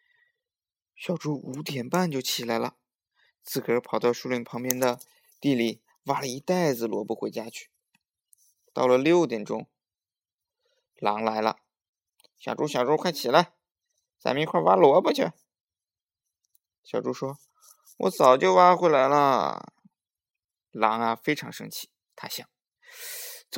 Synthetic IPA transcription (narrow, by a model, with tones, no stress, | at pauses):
ɕjɑ˨˩ʊʈ͡ʂu˥u˧˥t̪jɛ˨˩npa˥˧nt͡ɕjo˥˩ʊt͡ɕʰi˨˩la˧˥ɪlə̰˧ | t͡sɹ̩˥˩kʰə˧˥pʰɑ˨˩ʊt̪ɑ˥˧ʊʂu˥˧li˥˩ŋpʰɤ˧˥ŋpjɛ˥nd̪ə˧ | t̪i˥˩li˨˩ | wa˥lə˧i˧˥t̪a˥˩ɪd͡zɹ̩˨˩lwɔ˧˥pu˥˩xwe˧˥ɪt͡ɕja˥t͡ɕʰy̥˥˩ | t̪ɑ˥˩ʊlə˩ljo˥˩ʊt̪jɛ˨˩nʈ͡ʂʊ̰˥ŋ | lɑ˧˥ŋla˧˥ɪlə̰˧ | ɕjɑ˨˩ʊʈ͡ʂu˥ɕjɑ˨˩ʈ͡ʂu˥kʰa˥˩ɪt͡ɕʰi˨˩la˧˥ɪ | t͡sa̰˨˧˩mə˧i˧˥kʰwa˥˩wa˥lwɔ˧˥pə˥˧t͡ɕʰɛ̰˥˩ | ɕjɑ˨˩ʊʈ͡ʂu˥ʂwɔ˥ | wɔ̰˧˥t͡sɑ˨˩ʊt͡ɕjo˥˧ʊwa˥lə˧xwe˥˩ɪla˧˥ɪlə̰˧ | lɑ˧˥ŋɐ˨fe˥ɪʈ͡ʂʰɑ˧˥ŋʂɤ̰˥ŋt͡ɕʰi̥˥˩ | t̪ʰa˥ɕjɑ˨˩˦ŋ